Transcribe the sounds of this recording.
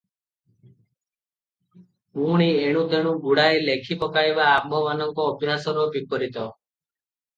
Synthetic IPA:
uɽ̃ieɽ̃ũt̪eɽ̃ũbuɽajlekʰipɔkajbaːmʱɔmanɔŋkɔːbjasɔɾɔbikɔɾit̪ɔ

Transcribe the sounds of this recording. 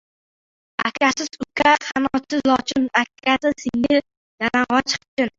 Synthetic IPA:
a̰kʲʰasɪz̥ʊkʰahanɒsɪzlɒt͡ʃʰɪnakʲʰːasɪsɪŋɪɾ | d̪̥aɾaɴʁɑt͡ʃʰqt͡ʃʰɪn

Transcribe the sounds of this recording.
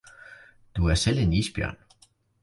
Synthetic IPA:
d̥uæɐsel̰e̝niːsb̥jœɐn

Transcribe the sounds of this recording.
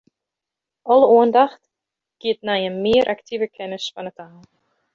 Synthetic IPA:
ɔlˠəuəndaxt | ɡ̥iətnajəmɪəɾʔaktʰivəkʰɛnəsfanətaːl

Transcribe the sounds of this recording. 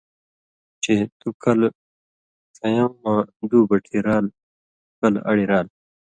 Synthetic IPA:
t͡ɕet̪ukɐl | sɐjɐmːãːd̪uːbɐʈʰiɾaːl | kɐlɐ̰ɽiɾaːl

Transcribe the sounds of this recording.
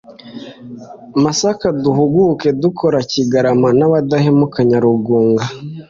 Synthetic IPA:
masakaduhuɡuke̞dukʰo̞ɾaciɡaɾamanaβadahemukaɲaɾuɡuːŋɡa

